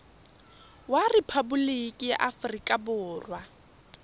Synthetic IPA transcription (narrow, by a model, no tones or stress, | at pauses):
warɪpʰabulikʼija̰ʔafrikʼabʊːrwa